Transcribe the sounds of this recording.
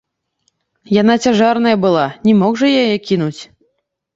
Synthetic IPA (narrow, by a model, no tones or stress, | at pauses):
janat͡sʲaʐarnɐjɐbɨlˠanʲɛmɔɣʐɐjajɛkʲinut͡sʲ